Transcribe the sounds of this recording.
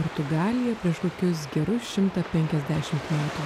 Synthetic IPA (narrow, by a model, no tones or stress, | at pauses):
poɾt̪ʊɡɑːlʲɪjɛpʲɾʲiɛʃk̪oːkʲʊs̬ɡʲɛɾʊsʃʲɪmt̪ɐpʲɛŋʲkʲɛzʲd̪ʲæːʃʲɪmt̪mʲæːt̪uː